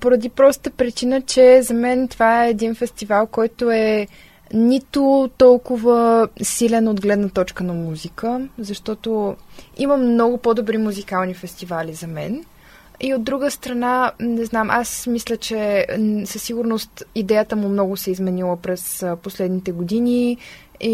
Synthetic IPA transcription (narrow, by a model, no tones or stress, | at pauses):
poɾɐd̪ipɾɔst̪ət̪əpɾit͡ʃinət͡ʃɛzɐmɛnt̪ovaɛːd̪infɛst̪ivalˠkɔjt̪oɛ | nit̪ʊt̪ɔlˠkʊvəsilɛnod̪ɡlɛd̪nət̪ɔt͡ʃkənɐmuzikəzɐʃt̪ɔt̪oiməmnɔɡʊpod̪obɾimuzikalˠnifɛst̪ivalizɐmɛ̰n | iod̪ːɾuɡəst̪ɾɐnanɛznamʔasmislʲət͡ʃɛsəsːiɡʊɾnost̪id̪ɛjət̪əmʊmnɔɡʊsɛizmɛnilˠəpɾɛsposlɛd̪nit̪ɛɡod̪ini | i